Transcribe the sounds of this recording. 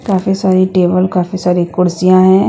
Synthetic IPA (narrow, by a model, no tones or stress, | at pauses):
kaːfisaːɾiʈeːbəlkaːfisaːɾikʊɽsijãɦɛ̃ː